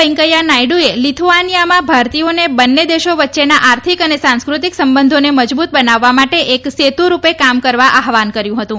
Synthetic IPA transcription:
ɛŋkəjanajɖuelit̪ʰuʋanijamãbʱaɾt̪ionebənːed̪eʃoʋətːʃenaʔaɾt̪ʰikənesãnskɾut̪iksəmbənd̪ʱoneməd͡ʒbut̪̚bənaʋːamaʈeʔekset̪uɾupekamkəɾʋaʔaɦʋankəɾjũɦət̪ũ

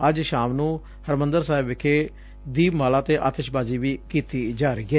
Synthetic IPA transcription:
əd͡ʒʃaːmnũː | həɾmənd̪əɾsaːɪbɪkʰeː | d̪iːbmaːlaːt̪eːʔa̰ːt̪ɪʃbaːziːʋiːkiːt̪iːd͡ʒaːɾəiːɡeː

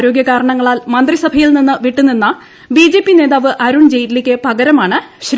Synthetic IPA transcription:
ɾo̞ːɡjɐkaːɾɐɳɐŋːɐɭaːlmɐnd̪risɐbʱɐjilninːɨʋiʈːuninːɐ | biːd͡ʑe̞ːpːine̞ːðaːʋɨʔɐɾuɳd͡ʑejtilikʲːɨpɐɡɐɾɐmaːɳɨɕɾ

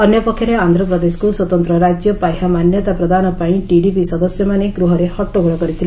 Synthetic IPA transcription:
ɔnjɔpɔkʰːjɔɾeand̪ʱɾɔpɾɔd̪esɔ̥kuswɔt̪ɔnt̪ɾɔɾad͡ʒjɔpajɦamanjɔt̪apɾɔd̪ʱanɔpaĩʈiɖipisɔd̪ɔsjɔmaneɡɾuɦɔɾehɔʈːoɡɔɭɔkɔɾit̪ʰil

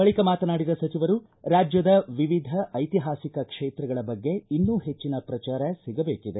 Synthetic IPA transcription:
bɐɭikɐmaːt̪ɐnaːɽid̪ɐsɐt͡ʃiʋɐɾu | ɾaːd͡ʒjɐd̪ɐʋiʋid̪ʱɐʔɐjt̪iɦaːsikɐkʂeːt̪ɾɐɡɐɭɐbɐɡːe̞inːuːɦe̞t͡ʃːinɐpɾɐt͡ʃaːɾɐsiɡɐbeːkid̪e̞

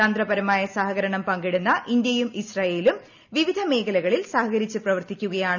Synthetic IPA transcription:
aːnd̪rɐbɐɾɐmaːjɐsaɦɐɣɐɾɐɳɐmpɐŋɡiɽunːɐʔind̪jɐjumisrɐːje̞ːlum | ʋiʋid̪ʱɐme̞ːkɐlɐɣɐɭilsaːhɐɣɐɾit͡ɕːɨprɐʋɐrt̪ikʲːuɣɐjaːɳ

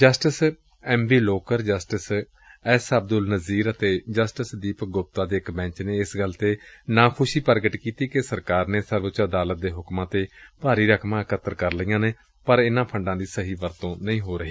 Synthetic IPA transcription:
d͡ʒəsʈəs | ɛːmbiːloːkəɾd͡ʒəsʈɪs | ɛːsəb̚d̪ʊlnəziːɾət̪eːd͡ʒəsʈəsd̪iːpɡʊp̚t̪aːd̪eːɪkbɛ̃ːt͡ʃneːɪsɡəlt̪eːnãːkʰʊʃiːpəɾɡəʈkiːt̪iːkesəɾkaːɾneːsəɾbʊt͡ʃəd̪aːlət̪̚d̪eːɦʊkmãːt̪eːpaːɾiːɾəkʰmãːkət̪ːəɾkəɾləiːãːneː | pəɾɪnãːpʰəɳɖãːd̪iːsəɦiːʋəɾt̪õːnəĩːɦoːɾəɦiː

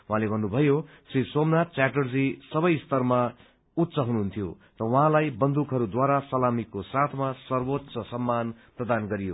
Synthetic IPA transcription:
wʌɦãlebʱʌnːubʱʌjo | srisomnat͡saʈʌrd͡zisʌbʌjst̪ʌrma | ut̪ːsʌɦunuɦunt̪ʰijo | rʌwʌɦãlajbʌnd̪ukɦʌɾud̪waɾasʌlamikosat̪ʰmasʌrwot̪sʌsʌmːanprʌd̪anɡʌɾijo

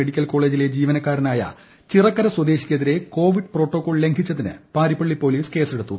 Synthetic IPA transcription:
eɽikʲːɐlko̞ːɭe̞ːd͡ʑile̞d͡ʑiːʋɐnɐkːaːɾɐnaːjɐ̰ | t͡ɕirɐkːɐɾɐswɐd̪e̞ːɕi̥kʲːɐðiɾe̞ko̞ːʋiɖpro̞ːʈːo̞ːkːo̞ːɭle̞ŋɡʰʱit͡ɕːɐðinɨ̰paːɾipːɐɭːipːo̞ːliːske̞ːseɽut̪ːu

